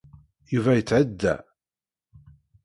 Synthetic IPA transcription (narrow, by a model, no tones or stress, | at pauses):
juvæjət͡sːʕəd̪ːæ̰